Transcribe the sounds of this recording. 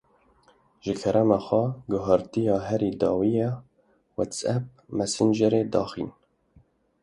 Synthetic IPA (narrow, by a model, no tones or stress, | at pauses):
ʒɨkʰɛɾʔɛmɑxʷɛɡʊɦɑɾt̪ijɑːɦɛɾiːd̪ɑːwijɛ | wɛt̪sɛp̚mɛsɨnd͡ʒɛɾeːd̪ɑːxḭːn